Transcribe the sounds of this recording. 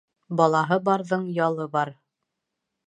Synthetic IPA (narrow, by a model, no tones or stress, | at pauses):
bɑlˠɑɦɤbɑɾðɤɴjɑlˠɤbɑɾ